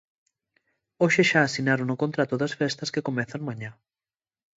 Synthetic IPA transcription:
oʃɪʃaːsinaɾonʊkõnt̪ɾat̪ʊðɐsfɛst̪ɐskekomɛθaŋmãɲa

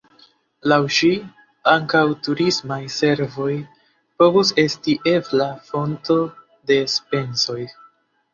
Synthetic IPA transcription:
lawʃi | aŋkawtuɾismajse̞ɾvo̞j | po̞vuse̞stiʔe̞flafo̞nto̞ | de̞spe̞nso̞j

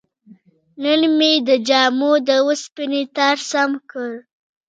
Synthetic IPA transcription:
nənmed̪əd͡ʒɑmod̪əwəspinet̪aɾsamkəɾ

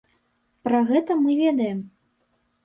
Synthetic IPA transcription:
pɾɐɣɛt̪ɐmɨvʲɛd̪ɐjɛm

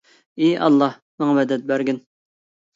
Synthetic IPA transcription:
iʔɑ̰lˠːɑh | mɨŋɑvɛd̪ɛt̪̚bæɾɡʲɪn

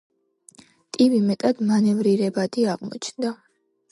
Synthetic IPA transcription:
t̪ʼibimɛt̪ʼad̪manɛvɾiɾɛbad̪iaʁmɔ̰t͡ʃʰnd̪a

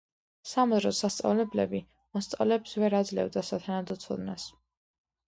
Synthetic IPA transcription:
samɔzɾɔsast̪sʼa̰vlɛblɛbi | mɔst̪sʼa̰vlɛbsvɛɾad̪zlɛ̰vd̪asat̪ʰanad̪ɔt̪sʰɔ̰d̪nas

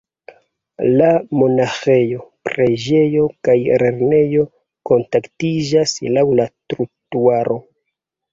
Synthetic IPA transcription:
lamo̞naxe̞jo̞pɾe̞d͡ʒe̞jo̞kajɾe̞ɾne̞jo̞ | ko̞ntaktid͡ʒaslawlatɾutuaɾʔo̞

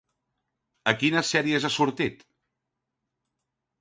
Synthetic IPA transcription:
əkinəsɛɾiəzasuɾt̪it̪

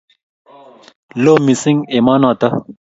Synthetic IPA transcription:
loːmisiŋɡemaːnaːt̪ɐ

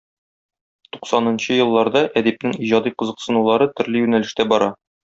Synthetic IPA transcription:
tt̪u̥qsɑnɤ̆nɕɤjɤ̆lˠːɑɾd̪ɑʔæd̪æp̚nɘŋiʑɑd̪iqɤ̆zɤ̆qsɤ̆nulˠɑɾɤt̪ɵ̆ɾlɘjʉnælɘ̆ʃt̪æbɒɾɑ

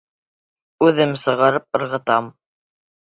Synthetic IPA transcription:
ʉðɘmsɤ̆ʁɑɾɤp̚ɤ̆ɾʁɤ̆t̪ɑm

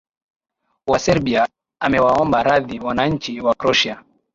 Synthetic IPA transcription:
wasɛɾɓia | amɛwaɔmbaɾaðiwanaɲ̩t͡ʃiwakɾɔʃia

